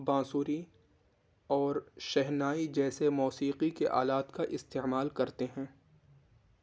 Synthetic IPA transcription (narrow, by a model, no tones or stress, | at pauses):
bãːsuːɾi | ɔːɾʃɛɦnaːid͡ʒɛːsemɔːsiːqikeʔa̰ːlaːt̪kaʔɪst̪eːmaːlkɐɾt̪eɦɛ̃ː